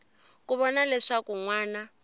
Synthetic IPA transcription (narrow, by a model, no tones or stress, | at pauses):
kʼuβɔnalɛʂakʼuŋwaːna